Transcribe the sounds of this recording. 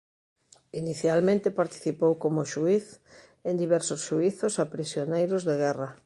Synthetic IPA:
iniθjalmẽnt̪epaɾt̪i̥θipowkomʊʃuiθ | end̪iβɛɾsʊsʃuiθʊsapɾisjonejɾʊzðeɣɛra

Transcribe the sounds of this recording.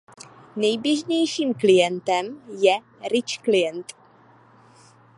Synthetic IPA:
nɛjbjɛʒɲɛjʃiːmklɪjɛnt̪ɛmjɛ | ɾɪt͡ʃklɪjɛnt̪

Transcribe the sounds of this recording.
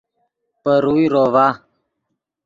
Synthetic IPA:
pəɾuiɾɔva

